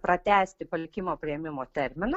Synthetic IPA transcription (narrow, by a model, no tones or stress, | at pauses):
pɾɐt̪ʲæːsʲt̪ʲɪpɐlʲɪkʲɪmoːpʲɾʲɪɛmʲɪmoːt̪ʲɛɾʲmʲɪnɐ